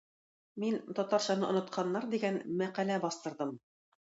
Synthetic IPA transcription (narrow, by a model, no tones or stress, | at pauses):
mint̪ɒt̪ɑɾɕɑnɤʔŏnŏt̪̚qʰɑnːɑɾd̪iɡænmæqælæbɑst̪ɤ̆ɾðɤm